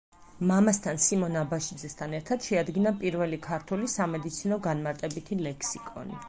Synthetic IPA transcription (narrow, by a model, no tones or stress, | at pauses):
mamast̪ʰansimɔnabaʃid̪zɛst̪ʰanɛɾt̪ʰad̪̥ʃɛad̪ɡinapʼiɾvɛlikʰaɾt̪ʰulisamɛd̪it̪sʰinɔɡanmaɾt̪ʼɛbit̪ʰilɛkʰsikʼɔ̰ni